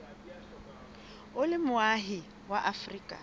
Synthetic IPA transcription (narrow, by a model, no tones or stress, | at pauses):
ʊlɪmʊaɦɪ | waʔafriːkʼa̰